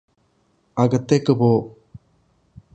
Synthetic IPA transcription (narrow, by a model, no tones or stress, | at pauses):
ɐɣɐt̪ːekːɯpoː